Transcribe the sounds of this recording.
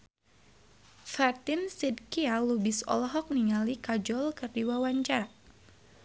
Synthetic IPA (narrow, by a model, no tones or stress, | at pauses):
fat̪insid̚kialubɪsɔ̰lɔɦɔk̚niŋalikad͡ʒɔlkərdiwawaɲt͡ʃaɾa